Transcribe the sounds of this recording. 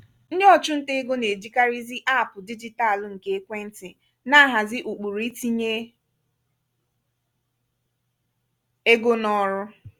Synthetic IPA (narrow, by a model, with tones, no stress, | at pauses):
n̩˦dɪ˦ɔ˦t͡ʃʊ˦n̩˦te˦ɡo˦ne˨d͡ʒi˦ka˦ɾi˦zi˦ʔa˦˨pʊ˨di˦d͡ʒi˦ta˦˨lŋ̩˨ke˦e˦kʷe˦n̩˦tɪ˨ | na˦ɦa˨zɪ˦ʔu˨k͡pu˨ɾi˦ti˦ɲe˦ | e˦ɡo˦nɔ˦ɾʊ˦